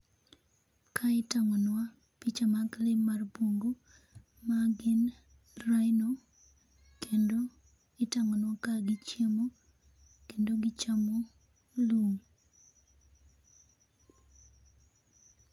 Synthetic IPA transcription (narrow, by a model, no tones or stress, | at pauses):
kʰaɪtaŋonwa | pit͡ʃamaklɪmːarboŋɡo | maɡɪn | rajno | kendo | ɪtaŋɔnwakaɡɪt͡ʃjemo | kendoɡɪt͡ʃamo | loŋ